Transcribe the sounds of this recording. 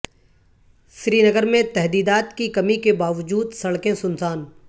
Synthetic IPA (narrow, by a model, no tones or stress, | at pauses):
sɾiːnəɡəɾmẽt̪ɛɦd̪iːd̪aːt̪kikɐmikebaːʋəd͡ʒuːd̪sɐɽkẽsʊnsaːn